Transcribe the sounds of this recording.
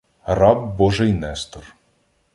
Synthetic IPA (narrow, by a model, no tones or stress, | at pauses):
rɑbːɔʒɪjnɛst̪ɔr